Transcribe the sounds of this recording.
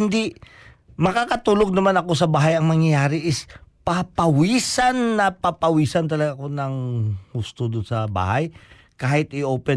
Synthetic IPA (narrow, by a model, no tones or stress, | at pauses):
ɪnd̪i | mɐkakɐt̪uːloɡ̚nɐmanɐko̞sɐbaːɦɐjɐŋmɐŋjɐjaːɾɪʔɪspapɐwiːsɐnːɐpɐpɐwiːsɐnt̪ɐlɐɡaʔɐko̞nɐŋhust̪od̪ʊnsɐba̰ːhɐj | kaːhɪt̪ʔɪʔoːpɛ